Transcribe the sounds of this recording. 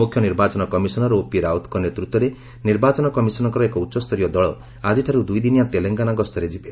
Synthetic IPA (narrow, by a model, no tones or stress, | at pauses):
ukʰjɔniɾbat͡ʃɔnɔkɔmisɔnɔɾɔopiɾaut̪ʰkɔnet̪ɾut̪ːɔɾe | niɾbat͡ʃɔnɔkɔmisɔnɔŋkɔɾɔekɔutːsɔst̪ʰɔɾijɔd̪ɔɭɔ | ad͡ʒiʈʰaɾud̪ujd̪inijat̪eleŋɡanaɡɔst̪ʰɔɾed͡ʒibe